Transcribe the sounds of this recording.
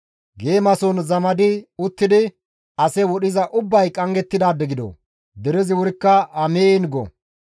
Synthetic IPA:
ɡe̞ːmɐsɔnzɐmɐd̪ɪʊt̪ːɪd̪ɪ | ɐsɛwɔɗɪzɐʔʊbːɐjkʼɐŋɡɛt̪ːɪd̪aːbɛɡɪd̪ɔ̰ | d̪ɛɾɛzɪwʊɾɪkːɐɐmeːnɡɔ̰

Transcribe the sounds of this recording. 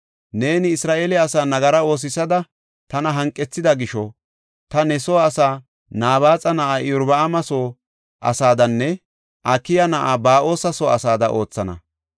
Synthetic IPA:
ne̞ːnɪːsɾaːʔeːlɛɐsaːnɐɡɐɾɐo̞ːs̬ɪsɐd̪ɐ | t̪ɐnɐɦɐŋkʼːɛt͡sːɪd̪ɐɡɪʃɔ | t̪ɐnɛsoːɐsaː | naːβaːt͡sʼɐnɐʔaːɪʊɾbɐːmɐsoː | ʔɐ̰saːd̪ɐnːɛ | ʔɐkːɪjɐnɐʔaːbaːʔo̞ːsɐsoːɐsaːd̪ɐʔo̞ːt͡sːɐnɐ̰

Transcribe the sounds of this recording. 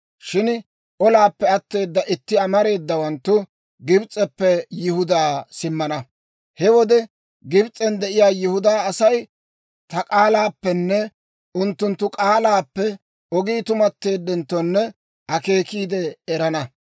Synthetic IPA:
ʃɪn | ʔɔlaːpːɛɐt̪ːe̞ːd̪ːɐʔɪt̪ːɪɐmɐɾe̞ːd̪ːɐwɐnt̪ːʊ | ɡɪbt͡sʼːɛpːɛjɪhʊd̪aːsɪmːɐnɐ | hɛwɔd̪ɛ | ɡɪbt͡sʼɛnd̪ɛʔɪjaːjɪhʊd̪aːɐsɐj | t̪ɐkʼaːlaːpːɛnːɛ | ʊnt̪ːʊnt̪ːʊkʼaːlaːpːɛ | ɔɡiːt̪ʊmɐt̪ːe̞ːd̪ːɛnt̪ːɔnːɛ | ʔɐke̞ːkiːd̪ɛɛɾɐnɐ

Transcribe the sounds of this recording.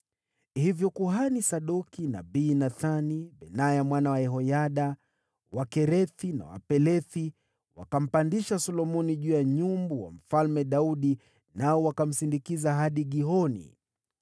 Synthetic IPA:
hivjɔkuɦanisaɗɔkina̰ɓiːnaθaniɓɛnajamwanawaɛɦɔjaɗa | wakɛɾɛθina̰wa̰pɛlɛθi | wa̰kam̩pandiʃasɔlɔmɔniʄuːjaɲumbuwa̰m̩falmɛɗauɗi | naɔwakam̩sindikizaɦaɗiɠiɦɔnḭ

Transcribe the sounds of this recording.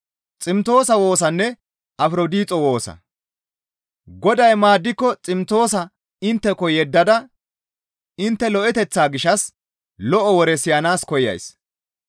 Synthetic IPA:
t͡sʼɪmt̪o̞ːsɐwo̞ːsɐnːɛ | ʔɐfɾod̪iːt͡sʼɔwo̞ːsɐ̰ | ɡɔd̪ɐjmaːd̪ːɪkːɔt͡sʼɪmt̪o̞ːsɐ | ɪnt̪ːɛkɔjɛd̪ːɐd̪ɐ | ɪnt̪ːɛlɔʔɛt̪ɛt͡sːaːɡɪʃːɐs | lɔʔɔwɔɾɛsɪjanaːskɔjɐ̰js

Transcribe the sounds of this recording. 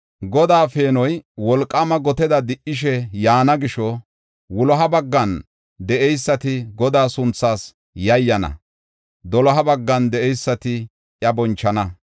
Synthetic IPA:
ɡɔd̪aːfe̞ːnɔjwɔlkʼːɐmɐɡɔt̪ɛd̪ɐd̪ɪʔɪʃ̬ɛjaːnɐɡɪʃɔ | wʊlɔɦɐbɐɡːɐn | d̪ɛʔɛjsːɐt̪ɪɡɔd̪aːsʊnt͡sːaːs | jɐjːɐnɐ̰ | d̪ɔlɔɦɐbɐɡːɐnd̪ɛʔɛjsːɐt̪ɪ | jɐbɔnt͡ʃːɐnɐ

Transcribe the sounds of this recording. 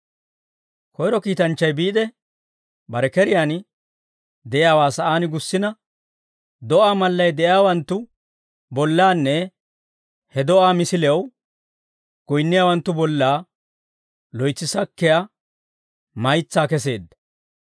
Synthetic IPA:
kɔjɾɔkiːt̪ɐnt͡ʃːɐjbiːd̪ɛ | bɐɾɛkɛɾɪjaːn | d̪ɛʔjaːwaːsɐʔaːnɪɡʊsːɪnɐ | d̪ɔʔaːmɐlːɐjd̪ɛʔjaːwɐnt̪ːʊ | bɔlːaːnːɛ | hɛd̪ɔʔaːmɪsɪlɛw | ɡ̥ɔjnːɪjaːwɐnt̪ːʊbɔlːaː | lɔjt͡sːɪsɐkːɛjɐ | mɐjt͡sːaːkɛs̬e̞ːd̪ːɐ̥

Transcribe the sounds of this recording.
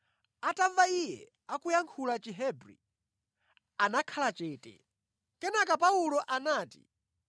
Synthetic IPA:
ataɱvaijɛ̰ | akujaŋkʰulat͡ʃiɦɛbɾḭ | anakʰalat͡ʃɛːtɛ̰ | kɛnakapaulɔʔanaːtḭ

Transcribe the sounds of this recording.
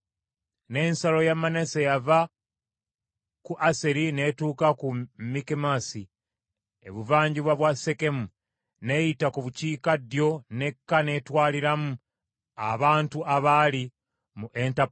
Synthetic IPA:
ne̞ːnsalo̞jamanesejava | kuʔaseɾine̞tuːkakumikemasi | ḛβuvaːɲɟiβwaβwaseke̞mu | ne̞jitakuβuciːkadjo̞ne̞kːane̞twaːliɾamu | a̰βaːntuʔaβali | muʔe̞nta

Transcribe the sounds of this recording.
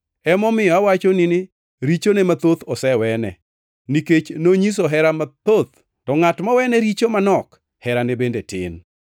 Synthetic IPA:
ɛmɔmɪɔawat͡ʃonɪnɪ | ɾit͡ʃonemat̪ot̪ɔsɛwɛnɛ̰ | niket͡ʃnoɲis̬oɦɛɾamat̪ot̪̚ | tɔŋatmawɛnɛɾit͡ʃomanɔk | hɛɾanebendetɪ̰n

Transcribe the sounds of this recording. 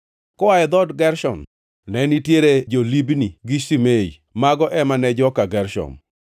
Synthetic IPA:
kɔaɛd̪ɔdɡɛɾʃɔ̰n | nɛnitjeɾed͡ʒolibniɡisimeḭ | maɡɔʔɛmanɛd͡ʒɔkaɡɛɾʃɔ̰n

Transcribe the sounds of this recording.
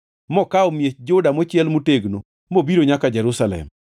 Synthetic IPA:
mɔkaɔmjet͡ʃd͡ʒodamɔt͡ʃɪɛlmuteɡno | mobiɾoɲakad͡ʒɛɾusalɛ̰m

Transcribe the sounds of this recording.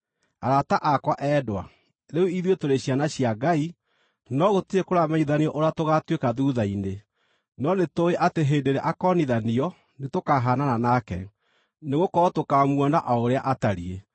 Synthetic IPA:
aɾataʔakwaʔɛːdwa̰ | ɾeuiðiotoɾeɕjanaɕiaɡai | nɔɣotiekoɾamaiðaniɔʔoɾatoɣatwekaðuːðaine | nɔnetoeʔateɦeːdeɾɛʔakɔniðaniɔ | netokaɦanaɾanakɛ̰ | neɣokɔɔtokamuɔnaʔaoɾeaʔataɾie

